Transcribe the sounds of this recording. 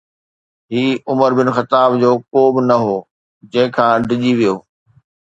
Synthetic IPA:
ɦiːʊməɾbɪnxɐt̪aːbd͡ʑoːkoːbɪnɐɦoː | d͡ʑɐ̃ɦɪ̃kʰãːɖɪʄiʋijoː

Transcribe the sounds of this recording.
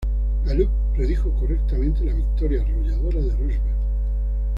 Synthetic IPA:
ɡaluk̚ | pɾe̞ðixo̞korek̚t̪amẽ̞nt̪elaβik̚t̪o̞ɾjaro̞ʎaðo̞ɾaðeroβe

